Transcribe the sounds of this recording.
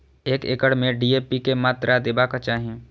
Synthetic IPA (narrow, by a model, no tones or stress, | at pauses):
eːkḛːkəɽmẽɖiːeːpikemaːt̪ɾʔad̪ɪbakat͡ʃaːɦẽ